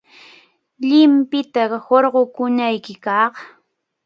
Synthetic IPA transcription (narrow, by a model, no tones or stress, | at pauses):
ʎɪmpɪt̪ahoɾɢokʊnajkɪkɑχ